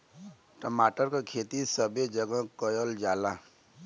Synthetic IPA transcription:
ʈəmaːʈəɾkakʰeːt̪isəbʱed͡ʒəɡə̃kəjəld͡ʒaːlaː

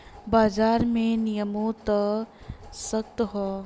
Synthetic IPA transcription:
baːd͡ʒaːɾmẽnijəmõt̪ə | sək̚t̪ɦɔː

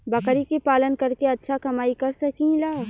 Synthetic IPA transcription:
bɐkɾikepaːlənkɐɾkeɐtːʃʰakɐmaːikɐɾsɐkĩlaː

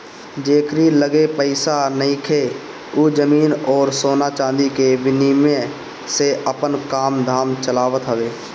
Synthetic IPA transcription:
d͡ʒeːkɾiləɡepəɪsanəɦĩkʰe | ud͡ʒəmiːnɔːɾsoːnat͡ʃãːnd̪ikebɪniːmẽ | seʔəpənkaːmd̪ʱaːmt͡ʃəlaːwət̪ɦəʋeː

